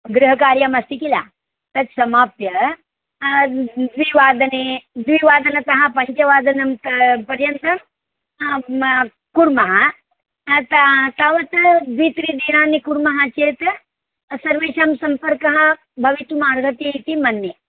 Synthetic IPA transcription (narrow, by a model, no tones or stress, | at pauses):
ɡɾɨɦɐkaːɾjamɐst̪ikila̰ː | t̪ɐt͡ʃ̪sɐmaːp̚p̪jɐ | d̪ʋiʋaːd̪ɐned̪ʋiʋaːd̪ɐnɐt̪ɐɦɐpɐɲt͡ʃɐʋaːd̪ɐnɐmt̪pɐɾjɐnt̪ɐm | kuɾmɐɦɐ | t̪ɐt̪aʋɐt̪d̪ʋit̪ɾid̪iːnaːnːikuɾmɐɦɐt͡ʃeːt̪ | sɐɾʋeːʃaːmsɐmpɐɾkɐɦɐ̆ | bʱɐʋit̪umaːɾɡʱɐt̪iit̪imɐnːe